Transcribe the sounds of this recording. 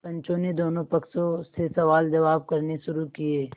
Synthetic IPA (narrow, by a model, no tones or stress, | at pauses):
pɐ̃ɲt͡ʃõned̪oːnõpɐksõsesɐʋaːld͡ʒɐʋaːb̚kɐɾneʃʊɾukieː